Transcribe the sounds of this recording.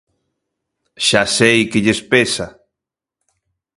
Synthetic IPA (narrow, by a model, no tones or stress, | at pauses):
ʃasejkɪʎespesa